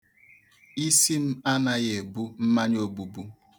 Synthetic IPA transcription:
i˦si˦m̩˦a˦na˦ɣe˨bu˦m̩˦ma˦ɲ˦o˦bu˨bu˦

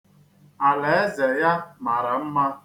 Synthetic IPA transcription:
a˨le˨e˦ze˨ja˦ma˨ɾa˨m̩˦ma˦

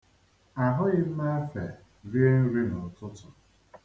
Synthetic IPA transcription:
a˨ɦʊ˦ɣɪ˦m̩˦ma˦fe˨ | ɾi˦e˦n̩˦ɾi˦nʊ˨tʊ˦tʊ˨

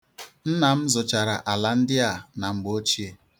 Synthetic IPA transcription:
n̩˦na˨m̩˦zʊ˨t͡ʃa˨ɾa˨ʔa˨la˨n̩˦dɪ˦a˨na˨ŋ͡m̩˦ɡ͡bo˦t͡ʃi˦e˨

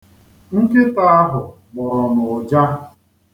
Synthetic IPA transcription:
ŋ̩˦ke˦pa˦a˦ɦʊ˨ | ɡ͡bʊ˨ɾɔ˨mʊ˨ʊ˨d͡ʒa˦

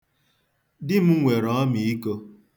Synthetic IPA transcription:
dɪ˦m̩˦ŋʷe˨ɾɔ˨ɔ˦mi˨i˦ko˧

